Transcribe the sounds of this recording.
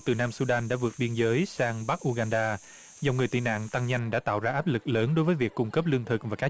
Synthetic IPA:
t̪ɨ˨˩naː˧msu˧ɗaː˧nɗa̰ː˧˥vɨ˨˩ət̚ɓi˧ənzəː˨˦jsaː˧ŋɓa˦˥k̚ʔu˧ɣaː˧nɗaː˧ | zɔ˨˩wŋ͡mŋɨ˨˩əjt̪ḭ˧˨na̰ː˧˨ŋt̪a˧ŋɲa˧jŋ̟ɗa̰ː˧˥t̪a̰ː˧˨wzaː˧ʔaː˦˥p̚lɨ˨˩k̚ləː˨˦nɗo˨˦jvəː˨˦jvi˨˩əkːʊ˧ŋ͡mkə˦˥p̚lɨ˧əŋt̪ʰɨ˨˩k̚vaː˨˩ka˦˥

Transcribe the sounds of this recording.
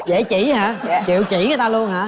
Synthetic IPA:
zḛ˧˨˩t͡ɕḭ˧˩haː˨˧˦kḭ˧˨əwt͡ɕḭ˧˨˦ŋə˨˦t̪aː˧lu˧ənɦaː˧˥˦

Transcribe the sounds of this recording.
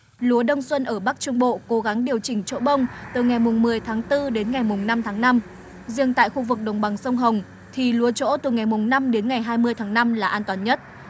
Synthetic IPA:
lu˨˦əɗə˧wŋ͡mswə˧nʔəː˧˩ɓa˦˥k̚t͡ɕʊ˧ŋ͡mɓo̰˧˨ko˨˦ɣa˨˦ŋɗi˨˩əwt͡ɕï˧˩ŋ̟t͡ɕo̰˧˥ɓə˧wŋ͡mt̪ɨ˨˩ŋa˨˩jmʊ˨˩ŋ͡mmɨ˨˩əjt̪ʰaː˨˦ŋt̪ɨ˧ɗe˨˦nŋa˨˩jmʊ˨˩ŋ͡mna˧mt̪ʰaː˨˦ŋna˧m | zi˧˩əŋt̪a̰ː˧˨jxu˧vɨ˨˩k̚ɗə˨˩wŋ͡mɓa˨˩ŋsə˧wŋ͡mɦə˨˩wŋ͡m | t̪ʰi˨˩lu˨˦ət͡ɕo̰˧˥t̪ɨ˨˩ŋa˨˩jmʊ˨˩ŋ͡mna˧mɗe˨˦nŋa˨˩jɦaː˧jmɨ˧əjt̪ʰaː˨˦ŋna˧mlaː˨˩ʔaː˧nt̪waː˨˩nɲə˦˥t̚

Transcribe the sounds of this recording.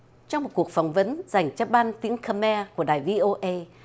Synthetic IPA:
t͡ɕɔ˧ŋ͡mmo˨˩t̚ku˨˩ək̚fɔ˧˩wŋ͡mvə˨˦nza˨˩jŋ̟t͡ɕɔ˧ɓaː˧nt̪i˨˦əŋkaː˧mɛ˧ku˧˩əɗaː˨˩jvi˧ʔo˧ʔə˧j

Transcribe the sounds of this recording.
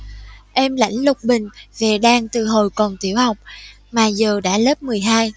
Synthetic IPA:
ʔɛ˧mla̰˧˥jŋ̟lʊ˨˩k͡p̚ɓï˨˩ŋ̟ve˨˩ɗaː˧ŋt̪ɨ˨˩ɦo˨˩jkɔ˨˩nt̪i˧˦əwha˨˩wk͡p̚ | maː˨˩zəː˨˩ɗa̰ː˧˥lə˦˥p̚mɨ˨˩əjɦaː˧j

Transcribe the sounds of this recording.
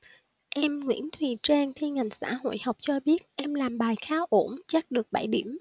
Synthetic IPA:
ʔɛ˧mŋwḭ˧˥ənt̪ʰwi˨˩t͡ɕe˧nt̪ʰi˧ŋa˨˩jŋ̟sa̰ː˧˥ho̰˧˨jha˨˩wk͡p̚t͡ɕɔ˧ɓi˦˥ət̚ʔɛ˧mlaː˨˩mɓaː˨˩jxaː˨˦wʔo˧˩mt͡ɕa˦˥t̚ɗɨ˨˩ək̚ɓə˧˩jɗi˧˩əm

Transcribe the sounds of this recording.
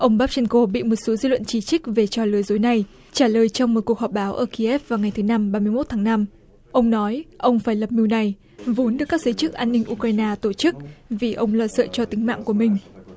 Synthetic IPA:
ʔə˧wŋ͡mɓaː˦˥p̚t͡ɕɛ˧nko˧ɓḭ˧˨mo˨˩t̚so˨˦zḭ˧lwə̰˧˨nt͡ɕi˧˩t͡ɕi˦˥k̚ve˨˩t͡ɕɔ˧˩lɨ˨˦jzo˨˦jna˨˩j | t͡ɕaː˧˩ləː˨˩jt͡ɕɔ˧wŋ͡mmo˨˩t̚ku˨˩əkhɔ˨˩p̚ɓaː˨˦wʔəː˧˩ki˧ʔɛ˦˥p̚vaː˨˩wŋa˨˩jt̪ʰɨ˨˦na˧mɓaː˧mɨ˧əjmo˦˥t̚t̪ʰaː˨˦ŋna˧m | ʔə˧wŋ͡mnɔ˨˦jʔə˧wŋ͡mfaː˧˩jlə˨˩p̚mi˧wna˨˩j | vo˨˦nɗɨ˨˩kːaː˦˥k̚zəː˨˦t͡ɕɨ˦˥k̚ʔaː˧nːï˧ŋ̟ʔu˧kɾaː˧jnaː˧t̪o˧˩t͡ɕɨ˦˥k̚vi˨˩ʔə˧wŋ͡mlə̰˧˩sə̰ː˧˨t͡ɕɔ˧t̪ï˨˦ŋma̰ː˧˨ŋku˧˩əmï˨˩ŋ̟

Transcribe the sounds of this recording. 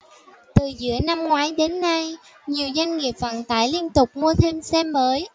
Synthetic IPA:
t̪ɨ˨˩zɨ̰˧˥əna˧mŋwaː˨˦jɗe˨˦nːa˧j | ɲi˨˩əwza˧jŋ̟ŋi˨˩əp̚və̰˧˨nt̪a̰ː˧˩jli˧ənt̪ʊ˨˩k͡p̚mu˧ət̪ʰe˧msɛ˧mːəː˨˦j

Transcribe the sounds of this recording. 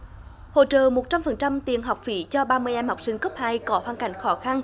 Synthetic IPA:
ho̰˧˨t͡ɕə̰ː˧˨mo˨˩t̚t͡ɕa˧mfə˨˩nt͡ɕa˧mt̪ḭ˨˩ənɦa˨˩wk͡p̚fḭ˧˦t͡ɕɔ˧ɓaː˧mɨ˧əjʔɛ˧mha˨˩wk͡p̚sï˧ŋkə˦˥p̚haː˧jkɔ˨˦hwaː˧nka̰˧˩jŋ̟xɔ˨˦xa˧n

